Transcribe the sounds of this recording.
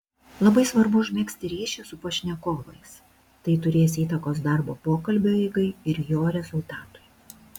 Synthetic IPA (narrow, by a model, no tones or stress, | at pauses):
lˠɐbɐɪsʋɐɾbʊʊʒʲmʲɛːksʲt̪ʲɪɾʲiːʃʲɛsʊpoʃʲnʲɛkoːʋɐɪs | t̪ɐɪt̪ʊɾʲeːsʲiːt̪ɐkoːs̬d̪ɑˑɾboːpoːkɐlʲbʲoːiɪɡɐɪɪɾjoːɾʲɛzʊlˠt̪ɑːt̪ʊ̥j